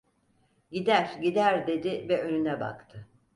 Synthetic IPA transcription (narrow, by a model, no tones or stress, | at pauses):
ɟid̪æɾɟid̪æɾd̪e̞d̪ɪvɛʔønynɛba̰kt̪ʰɯ